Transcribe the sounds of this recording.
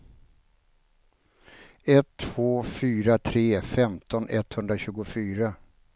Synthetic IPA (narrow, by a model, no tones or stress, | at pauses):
ɛt̪ʰːv̥oːfyːɾat̪ʰɾeːfɛmt̪ʰɔnɛt̪hɵnd̪ɾaɕʉ̟ːɡʊfyːɾa